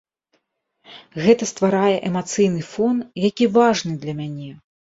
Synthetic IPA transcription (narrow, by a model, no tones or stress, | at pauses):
ɣɛt̪ɐst̪vaɾajɛʔɛmat̪sɨjnɨfɔnjakʲivaʐnɨd̪lʲɐmʲanʲɛ